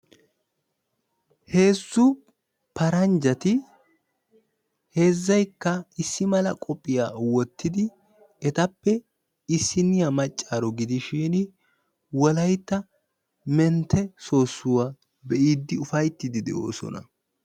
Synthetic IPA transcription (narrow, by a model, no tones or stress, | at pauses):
he̞ːsːʊ | pɐɾɐnd͡ʒɐt̪ɪ | he̞ːzːɐjkːɐɪsːɪmɐlɐ̰kʼɔpʼːɪjaːwɔt̪ːɪd̪ɪ | ɛt̪ɐpːɛ | ɪsːɪnɪjamɐt͡ʃʼːaːɾɔɡɪd̪ɪʃiːn | wɔlɐjt̪ːɐ | mɛnt̪ːɛso̞ːsːʊwaː | bɛʔiːd̪ːɪʊfɐjt̪ːɪd̪ɪd̪ɛ̰ʔo̰ːsɔ̰nɐ̰